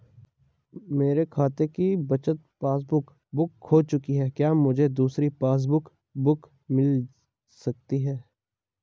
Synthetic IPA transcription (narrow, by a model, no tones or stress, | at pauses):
meːɾekʰaːt̪ekibɐt͡ʃət̪̚paːs̬bʊk | bʊkhɦot͡ʃʊkiɦɛːkjaːmʊd͡ʒʱed̪uːsɾipaːs̬bʊk | bʊk | mɪl | sɐk̚t̪iɦɛː